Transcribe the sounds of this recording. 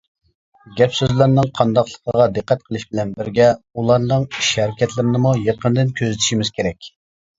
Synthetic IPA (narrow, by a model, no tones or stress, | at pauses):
ɡʲɛpsøzlɪɾnɪŋqʰɑnd̪ɑqlˠə̥qʰəʁɑd̪əqːæt̪̚qʰəlˠɨʃbɪlɛnbɪɾɡʲɛulˠɑɾnɨŋiʃhɛɾɪkʲɛt̪lɪɾɪnɪmujeqʰənd̪ɪnkʲʰøzɪt̪ʰi̥ʃimɪz̥kʲʰeɾɛkʲ